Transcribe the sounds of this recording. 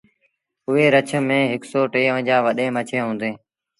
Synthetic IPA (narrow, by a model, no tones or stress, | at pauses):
ʊɦeːɾət͡ʃʰəmẽːɦɪksoːʈeːõd͡ʒaːʋəɗẽːmət͡ʃʰẽːɦõːnd̪eː